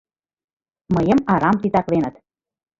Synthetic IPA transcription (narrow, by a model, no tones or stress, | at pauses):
məjə̆mɑɾɑmt̪it̪ɑklenə̆t̪